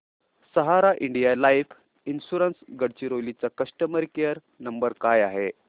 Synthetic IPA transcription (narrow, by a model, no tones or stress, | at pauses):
səɦaɾaʔiɳɖijalaif | insuɾənsɡəɽt͡ɕiɾolit͡sakəsʈəməɾkejəɾ | nəmbəɾkajaɦe